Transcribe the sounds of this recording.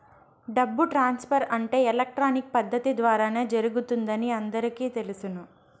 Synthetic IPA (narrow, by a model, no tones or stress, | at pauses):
ɖɐbːuʈɾaːnspʰɐɾɐɳʈe̞ːɛlɐk̚ʈɾaːnik̚pɐd̪ʱːɐt̪id̪ʋaːɾaːneːd͡ʒɐɾuɡut̪und̪ɐniɐnd̪ɐɾikiːt̪e̞lusunu